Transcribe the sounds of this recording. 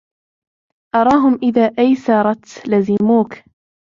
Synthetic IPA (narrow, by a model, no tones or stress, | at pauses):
ʔɑɾˤɑːɦʊmʔɪðaːʔajsɑɾˤɑt̪lazɪmuːk